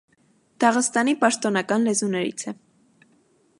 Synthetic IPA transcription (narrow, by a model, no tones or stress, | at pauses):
d̪̥ɑʁəst̪ɑnipɑʃt̪ɔnɑkɑnlɛzunɛɾḭt͡sʰɛ